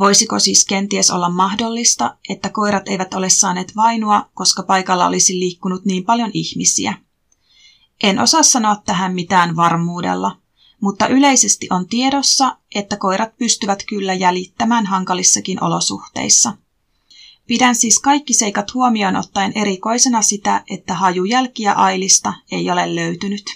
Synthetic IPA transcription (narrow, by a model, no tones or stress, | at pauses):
ʋo̞jsiko̞siːsk̟e̞nt̪ieso̞̰lːɑmːɑhdo̞lːist̪ɑʔe̞t̪ːæko̞jɾɑt̪e̞jʋæt̪o̞le̞sːɑːne̞ːt̪ʋɑjnoɑko̞skɑpɑjkɑlːɑ̰o̞̰lisilːiːkːunut̪niːmpɑljo̞nʔiçmisḭæ̰ | ʔe̞nʔo̞̰sɑsːɑno̞ɑt̪ːæɦæmːmit̪æːnʋɑrmuːde̞̰lːɑ | mut̪ːɑʔyle̞jse̞st̪iʔo̞nt̪ie̞do̞sːɑʔe̞t̪ːæko̞jɾʔɑt̪̚pyst̪yʋæt̪kylːæjælit̪ːæmæːnɦɑŋkɑlisːɑkinʔo̞̰lo̞sṵht̪e̞̰jsːɑ | pidænsiːskɑjkːise̞jkɑt̪huomio̞ːnʔo̰t̪ːɑenʔe̞ɾiko̞jse̞nɑsit̪æʔe̞t̪ːæhɑjujælkiæ̰ʔɑjlist̪ɑe̞jo̞le̞lːø̞ɥt̪ynyt̪